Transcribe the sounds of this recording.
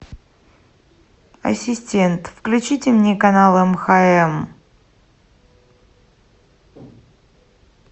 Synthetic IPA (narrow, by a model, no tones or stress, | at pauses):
ɐ̰sʲɪsʲtʲe̞nt̪fklʲʉt͡ɕitʲɪmnʲekɐnalˠəmxaɛm